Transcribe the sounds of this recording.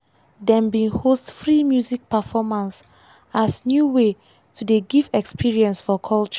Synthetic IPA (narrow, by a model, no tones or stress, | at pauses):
dɛ̃mbĩhostfɹimjuzik̚pəfɔmãns | asnjuwe | tʰudeɡivɛkspʰiɹiɛ̃nsfɔkʰɔlt͡ʃɔ̥